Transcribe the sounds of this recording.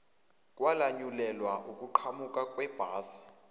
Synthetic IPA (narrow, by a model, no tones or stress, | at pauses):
kʼwalaɲulɛlwaʔukʼuǃʰamukʼakʼwɛb̥ʱaːsi̥